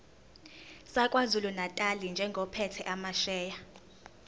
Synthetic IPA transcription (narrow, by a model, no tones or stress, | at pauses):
sakʼwazulunatʼalind͡ʒʱɛŋɡʱɔpʰɛtʰɛʔamaʃɛːja